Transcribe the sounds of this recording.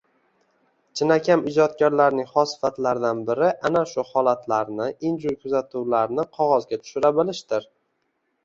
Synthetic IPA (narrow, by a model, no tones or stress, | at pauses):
t͡ʃʰɪnakʲʰamɪd͡ʒɒt̪̚kʲaɾlaɾnɪŋχɒsɪ̥fat̪laɾd̪anbɪɾɪʔanaʃʊhɒlˠat̪ʰlaɾnɪʔɪnd͡ʒʊjkʰʊzat̪ʰuwlaɾnɪqʰɒʁɒzɡʲat̪ʰʊ̥ʃʊɾabɪlɪʃt̪ɪɾ